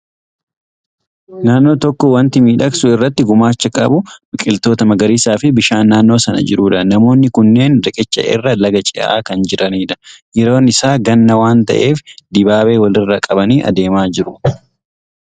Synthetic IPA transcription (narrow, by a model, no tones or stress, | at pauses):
naːnːo̞ːt̪ɔkːɔwɐnt̪ɪmiːᶑɐksʊɪrːɐt̪ːɪɡʊmaːt͡ʃːɐkʼɐbʊmɪkʼɪlt̪o̞ːt̪ɐmɐɡɐɾiːsaːfɪbɪʃaːnːaːnːo̞ːsɐnɐ̰d͡ʒɪɾuːᶑɐnɐmo̞ːnːɪkʊnːe̞ːnɾɐkʼɛt͡ʃːɐ̰ʔɪ̰rːɐlɐɡɐt͡ʃʼɪʔa̰ːkɐnd͡ʒɪɾɐniːᶑɐ̥jɛɾo̞ːnɪsaːɡɐnːɐwaːnt̪ɐ̰ʔe̞ːfd̪ɪbaːbe̞ːwɐlɪrːɐkʼɐbɐniːʔɐ̰d̪e̞ːmaːd͡ʒɪɾʊ